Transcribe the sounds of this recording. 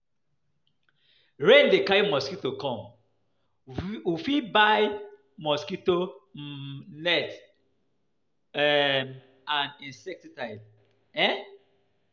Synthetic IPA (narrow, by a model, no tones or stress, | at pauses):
ɹɛ̃ndekajmɔskitokɔ̃m | ufibaj | mɔskito | lɛt | ɛm | ãnĩnsɛk̚titajd | ɛ